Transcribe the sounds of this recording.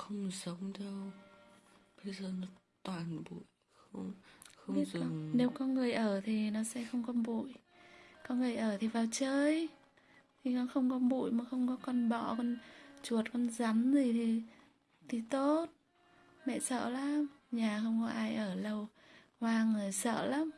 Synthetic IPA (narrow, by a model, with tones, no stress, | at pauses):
xə˧wŋ͡mzə˨˦wŋ͡mɗ̪ə˧w | ɓə˧jzəː˨˩nɔ˨˦ | t̪waː˨˩nɓṵ˧˨j | xə˧wŋ͡mxə˧n˧wzɨ˧˨ŋne˨˦wkɔ˨˦ŋɨ˨˩əjʔəː˧˩t̪ʰi˨˩nɔ˨˦sɛ̰˧˥xə˧wŋ͡mkɔ˧nɓṵ˧˨j | kɔ˨˦ŋɨ˨˩əjʔəː˧˩t̪ʰi˨˩vaː˨˩wt͡ɕəː˧j | t̪ʰi˨˩nɔ˨˦xə˧wŋ͡mkɔ˨˧˦nɓṵ˧˨jma˨˩xə˧wŋ͡mkɔ˨˦kɔ˧nɓɔ̰˧˨kɔ˧nt͡ɕu˨˩ət̚kɔ˧nza˨˦mzi˨˩t̪ʰi˨˩ | t̪ʰi˨˩t̪o˦˥t̚ | mɛ̰˧˨sə̰ː˧˨laː˧˦mɲaː˨˩xə˧wŋ͡mkɔ˨˦ʔaː˧jʔəː˧˩lə˧w | hwaː˧ŋɨ˨˩əjsə̰ː˧˨laː˨˦m